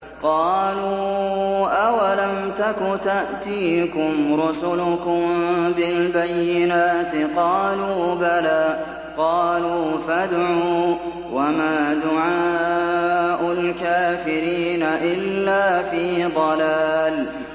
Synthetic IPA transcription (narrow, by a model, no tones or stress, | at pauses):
qɑːluːʔawalamt̪akʊt̪aʔt̪iːkʊmɾʊsʊlʊkʊmbɪlbajːɪnaːt̪qɑːluːbalaː | qɑːluːfad̪ʕuː | wamaːd̪ʊʕaː | ʔʊlkaːfɪɾiːnaʔɪlːaːfiːd̪ˤɑlaːl